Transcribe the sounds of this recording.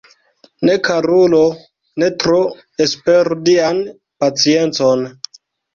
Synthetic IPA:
ne̞kaɾulo | ne̞tɾo | espeɾudian | pat͡sie̞nt͡son

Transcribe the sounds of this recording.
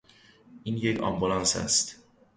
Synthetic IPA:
ʔiːnjecʰɒ̰mbulɒːnsæ̰st̪

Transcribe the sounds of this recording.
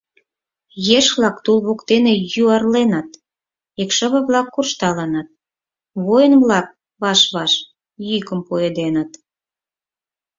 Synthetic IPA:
jeʃβlɑkt̪ulβokt̪enejyɑrlenɑt̪ | ekʃə̆βə̆βlɑkːurʃt̪ɑlɑnɑt̪̚ | βojənβlɑk̚ | βɑʃβɑʃ | jykəmpued̪enət̪

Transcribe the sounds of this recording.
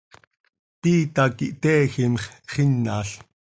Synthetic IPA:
piːt̪ɑkiʔt̪ɛːximχχinːɑ̰ːɬ

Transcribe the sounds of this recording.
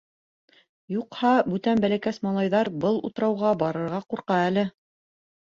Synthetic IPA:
juqhɑbʉt̪ænbælækæsmɑlˠɑjðɑɾbɤlˠṵt̪ɤ̆ɾɑwʁɑbɑɾɤ̆ɾʁɑquɾqɑælɘ

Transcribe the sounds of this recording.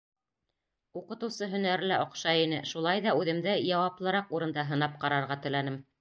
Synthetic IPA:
uqɤ̆t̪ɤ̆wsɤɦɵ̆næɾlæʔŏqʃɑinɘʃulˠɑjðɑʉðɘ̆md̪ɘjɑwɑplˠɤ̆ɾɑquɾɤ̆nd̪ɑɦɤ̆nɑp̚qɑɾɑɾʁɑt̪ɵ̆lænɘm

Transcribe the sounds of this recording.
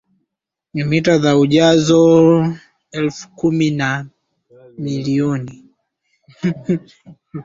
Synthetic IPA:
ɲimitaðauʄazɔ | ɛlfu̥kumina | miliɔni

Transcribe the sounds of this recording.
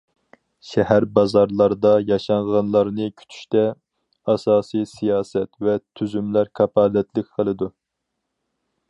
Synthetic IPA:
ʃɛhæɾbɑzɑɾlˠɑɾd̪ɑjɑʃɑɴʁɑnlˠɑɾnɨkʲʰy̥t̪ʰy̥ʃt̪ɛ | ɑsɑːsijsijɑːsɛt̪vɛt̪ʰyzymlæɾkʰɑpʰɑːlɛt̪lɪkʲqʰəlˠɨd̪u

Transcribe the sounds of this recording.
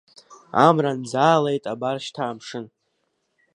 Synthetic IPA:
a̰mrand͡zaːlejtʼabarʃtʰaːmʂɨn

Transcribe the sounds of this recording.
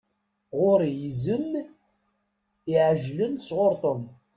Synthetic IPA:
ʁʊɾjizən | iʕəʒlənsʁoɾt̪ˤom

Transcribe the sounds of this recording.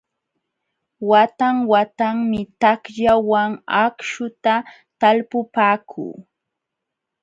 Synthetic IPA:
wat̪aŋwat̪aŋmɪt̪akʎawaŋakʃʊt̪a | t̪alpʊpaːkʰṵː

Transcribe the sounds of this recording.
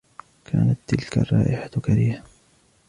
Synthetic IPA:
kʰaːnat̪ːɪlka̰rˤːɑ̰ːʔɪħat̪kaɾiːha

